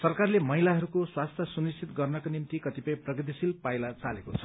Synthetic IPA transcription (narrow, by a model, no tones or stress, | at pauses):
sʌrkarlemʌɦilaɦʌɾukoswast̪ʰjʌsunist͡ʃʰit̪ɡʌrnʌkonimt̪ikʌt̪ipʌj̃prʌɡid̪isilpajlat͡sa̰lekot͡sʰʌ̥